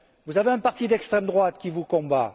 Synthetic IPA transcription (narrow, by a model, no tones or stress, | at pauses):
vuzaveɛ̃paʁt̪id̪ɛkst̪χɛmd̪ʁwat̪kʲivukɔ̃ba